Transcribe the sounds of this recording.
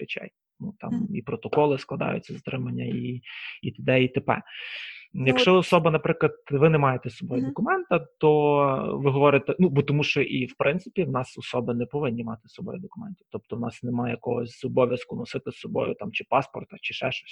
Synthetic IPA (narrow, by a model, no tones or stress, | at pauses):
pɪt͡ʃɛ̰j | nut̪ɑ̰mipɾɔt̪ɔkɔlˠɪsklˠɐd̪ɑ̰jʊ̰t͡sʲːɐzɐt̪ɾɪmɐnʲːɐiit̪ɪd̪ɛit̪epɛ̰ | jɐkʃt͡ʃt͡ʃɔɔsɔbɐnɐpɾɪklˠɐd̪ʋɪnɛmɑjet̪ɛsɔbɔjʊd̪ɔkʊmɛnt̪ɐt̪ɔʋɪɦɔʋɔɾɪt̪ɛnubɔt̪ɔmuʃt͡ʃɔʔiwpɾɪnt̪sɪ̥pʲiwnɑsɔsɔbɪnɛpɔʋɪnʲːimɑt̪ɪ̥sɔbɔ̰jʊd̪ɔkʊmɛnt̪ʲiwt̪ɔp̚t̪ɔwnɑsnɛmɑjɛjkɔɦɔsʲzɔbɔʋʲjɐskʊnɔsɪt̪ɪsɔbɔ̰jʊ̰t̪ɑmt͡ʃɪpɑspɔ̰rt̪ɐt͡ʃɪʃɛʃɔ̥sʲ